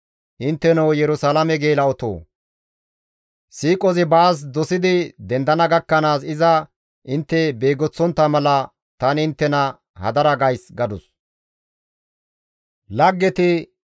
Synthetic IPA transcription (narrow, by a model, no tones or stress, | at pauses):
ʔɪnt̪ːɛnɐwjɛɾʊsaːlɐmɛɡe̞ːlɐɔt̪o̰ː | siːkʼɔzɪbaːs̬d̪ɔsɪd̪ɪd̪ɛnd̪ɐnɐɡɐkːɐnaːsɪzɐ | ʔɪnt̪ːɛbeːɡɔt͡sːɔnt̪ːɐmɐlɐ | t̪ɐnɪnt̪ːɛnɐ | hɐ̰d̪ɐɾɐɡɐjsɡɐd̪ʊs | lɐɡːɛt̪ɪ